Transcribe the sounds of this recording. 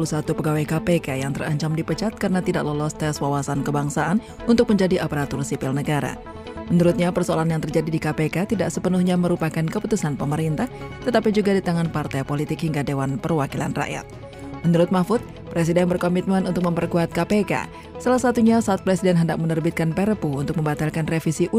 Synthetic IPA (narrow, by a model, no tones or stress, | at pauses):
ulusat̪upəɡawajkapekajaŋt̪əraɲt͡ʃamdipət͡ʃat̪̚kaɾənat̪idakləlɔst̪ɛswawasankəbaŋsaʔan | unt̪ʊk̚məɲd͡ʒadiʔapəɾat̪ʊrsipɪlnəɡaɾa̰ | mənuɾʊt̪̚ɲapərsoalanjaŋt̪ərd͡ʒadidikapekat̪idaʔsəpənuhɲaməɾupakankəput̪usanpəməɾint̪aht̪ət̪apid͡ʒuɡadit̪aŋanpart̪ajpolit̪ɪkhiŋɡadewanpərwakila̰nra̰ʔja̰t̪̚ | mənuɾʊt̪̚mafʊt̪̚ | pɾɛs̬idɛnbərkomit̪̚mənunt̪ʊk̚məmpərkuat̪̚kapeka̰ | salasat̪uɲasaːt̪̚pɾesidɛnɦəndak̚mənərbit̪̚kanpɛɾəpuunt̪ʊk̚məmbat̪alkanrefisiʔu